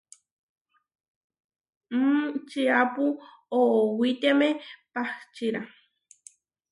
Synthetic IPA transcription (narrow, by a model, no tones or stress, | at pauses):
m̩t͡ʃiapu | oowit̪emepaht͡ʃiɾa